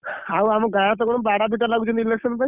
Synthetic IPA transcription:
hawamɡajat̪okonobaɽabʱiʈ̬alaɡut͡ʃʰenileksənpa

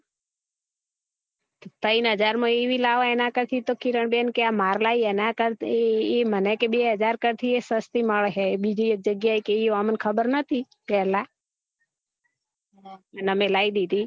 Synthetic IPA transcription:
t̪əinɦəd͡ʒaɾmãeʋilaʋaɛnakəɾt̪ʰit̪okiɾəɳbenkeamaɾlaiɛnakəɾeemənekebeɦəd͡ʒaɾkəɾt̪ʰiesəst̪iməɭɦebid͡ʒid͡ʒəɡjaikeiamənkʰəbəɾnət̪ʰi | pɛla | nənəmelaid̪id̪i

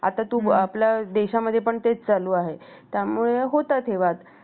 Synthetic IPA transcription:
a̰t̪at̪uːapljad̪eɕaməd̪ʱjepəɳt̪et͡st͡saluːaɦe | t̪jamuɭeɦot̪at̪ʰeʋat̪

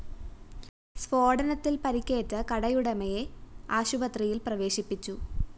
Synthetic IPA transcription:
sʋo̞ːɽɐnɐt̪ːilpɐɾikʲːe̞ːtːɨkɐɽɐjuɽɐmɐjeaːɕubɐt̪rijilprɐʋe̞ːɕipːit͡ɕːu

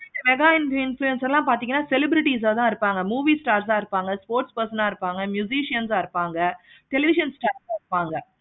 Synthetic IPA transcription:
ɪnɐmɛɡaːɪnɪnfluɛnsɛlãːpaːɾt̪ɪ̃ŋɡɐnːaːsɛlɪbɾɪʈiːs̬at̪ãːɪɾɯpːaːŋɡɐmuːʋiːsʈaːɾs̬ãːɪɾɯpːaːŋɡɐspoːɾʈspɐɾsɐnaːɪɾɯpːaːŋɡɐmjʊsiːʂɪjɐnsaːɪɾɯpːaːŋɡɐ | ʈɛlɪʋɪʃɐnsʈaːɾsaːɪɾɯpːaːŋɡɐ

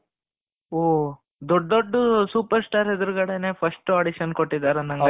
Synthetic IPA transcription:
oː | d̪ɔɖːoɖːusuːpɐɾsʈaːɾɦed̪ɾuɣɐɽene̞ːpʰɐsʈuɐɽiʃɐnkoʈːid̪ːaːɾɐnɐŋɡ

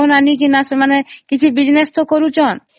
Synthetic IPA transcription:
onanikinasemanekit͡ɕʰubid͡ʑnest̪okoɾut͡ɕʰɔn

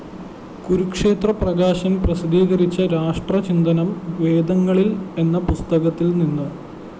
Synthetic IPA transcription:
kuɾukʂe̞ːt̪rɐprɐɣaːɕɐmprɐsid̪iːɣɐɾit͡ɕːɐɾaːʂʈrɐt͡ɕind̪ɐnɐmʋe̞ːd̪ɐŋːɐɭile̞nːɐpust̪ɐɣɐt̪ːilninːu

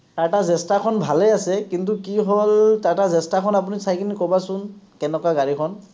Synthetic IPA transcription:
taɹtazɛstakʰɔnbʱalɛasɛkint̬ukiɦoltaɹtazɛstakʰɔnap̬unisajkʰinikɔbasʊnkɛnɛkwaɡaɹikʰɔn

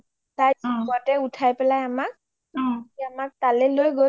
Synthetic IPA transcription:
tajatɛʊtʰajpɛlajamak̚ | iamak̚t̪alɛlojɡo

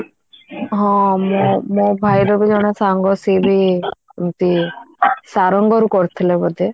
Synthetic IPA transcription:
ɦɔ̃mɔmɔbʱajɾɔbid͡ʒɔɽ̃asaŋɡɔsibimt̪i | saɾɔŋɡɔɾukɔɾt̪ʰilebɔd̪e

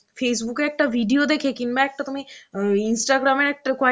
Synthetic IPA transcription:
fʰeːs̬bukeek̚ʈaʋiɖijod̪ekʰekinmãek̚ʈat̪um̤ĩinsʈaɡɾamenek̚ʈɾɪkʋa

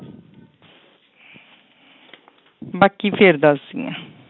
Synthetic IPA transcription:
bakifeːɾəd̪ɑːsɪŋə̰

